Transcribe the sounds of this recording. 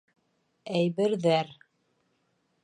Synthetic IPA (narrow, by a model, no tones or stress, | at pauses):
æjβɘ̆ɾðæɾ